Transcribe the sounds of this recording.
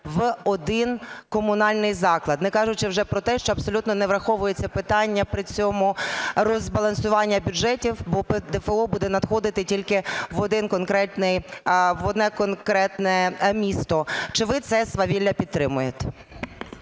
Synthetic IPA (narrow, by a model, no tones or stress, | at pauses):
ʋɔd̪ɪnkɔmʊnɑlʲnɪjzɑklˠɐd̪nɪkɑʒʊt͡ʃɪwʒɛpɾɔt̪ɛʃt͡ʃɔɐbsɔlʲut̪nɔnɛʋɾɐxɔʋʊjet͡sʲːɐpɪt̪ɑnʲːɐpɾɪt͡sʲɔmʊrɔzbɐlˠɐnsʊʋɑnʲːɐbʲʊd͡ʒɛtʲiwbɔpd̪ɛfeɔbud̪ɛnɐd̪xɔd̪ɪt̪ɪtʲilʲkɪʋɔd̪ɪnkɔnkɾɛt̪nɪjʋɔd̪nɛkɔnkɾɛt̪nɛmʲist̪ɔt͡ʃɪʋɪt̪sɛsʋɐʋʲilʲːɐpʲid̪̚t̪ːɾɪmʊjet̪ʲ